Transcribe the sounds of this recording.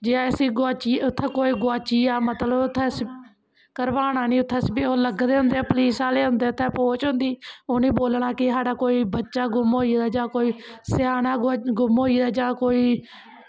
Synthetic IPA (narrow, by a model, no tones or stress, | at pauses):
d͡ʒeãːɪsiːɡaːt͡ʃiːʊt̪ʰːɛ̃ːkoːiːɡaːt͡ʃiːaːmət̪ləbʊt̪ʰːɛ̃ːs | kəɾʋaːɽaːniːʊt̪ʰːɛ̃ːsbioːləɡd̪eːɦʊ̃nd̪eaːpəliːsaːleːɦʊnd̪eːʊt̪ʰːɛ̃ːpoːt͡ʃɦʊ̃nd̪iːoːnĩːboːlɳaːkɪɦaːɖaːkoːiːbətːʃaːɡʊmɦoːiːd̪aːd͡ʒãːkoːiːsɪjaːnaːɡʊmɦoːiːd̪aːd͡ʒãːkoːiː